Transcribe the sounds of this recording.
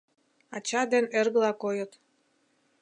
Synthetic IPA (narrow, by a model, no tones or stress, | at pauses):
ɑt͡ɕɑd̪enerɣəlɑkojət̪